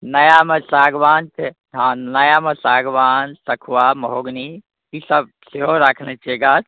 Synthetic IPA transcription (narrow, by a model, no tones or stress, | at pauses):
nɐjamesaːɡʋaːnt͡ʃʰe | ɦãnɐjamesaːɡʋaːnsɐkʰwamɐɦoːɡni | isəb̚ | seɦoɾakʰnet͡ʃeɡat